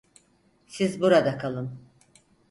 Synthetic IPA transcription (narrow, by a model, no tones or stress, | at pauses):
sizbuɾad̪akʰalˠɯm